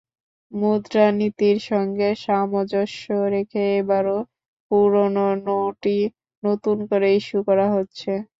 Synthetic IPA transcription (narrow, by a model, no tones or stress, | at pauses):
mud̪ɾanit̪iɾʃɔŋɡeʃamod͡ʑoʃːoɾekʰeebaɾo | puɾononoʈi | not̪unkoɾeiʃukɔɾaɦotːɕʰe